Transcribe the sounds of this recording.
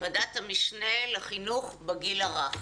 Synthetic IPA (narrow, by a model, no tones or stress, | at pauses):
madatamiʃneleχinuχbeɡilaʁaχ